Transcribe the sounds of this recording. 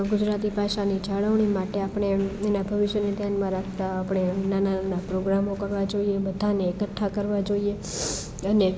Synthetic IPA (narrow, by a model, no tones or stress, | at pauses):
ɡʊd͡ʒɾat̪̬ipaʃanid͡ʒaɭəʋɳ̃imaʈeapɽ̃eenabʱəʋɪʃjəned̪ʱjanmãɾakʰt̪aːpɽ̃enananapɾoɡɾamokəɾʋad͡ʒoiebəd̪ʱaneːkət̪ʰːakəɾʋad͡ʒoie | əne